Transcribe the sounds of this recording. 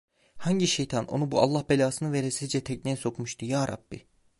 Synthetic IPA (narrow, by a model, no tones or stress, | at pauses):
haɲɟiʃe̞jt̪ʰanʔo̞̰nubuʔa̰lˠːahbelʲaːsɯnɯveɾesizd͡ʒɛt̪ʰɛcnɛːso̞kmuʃt̪ʰujaːɾʔa̰bːi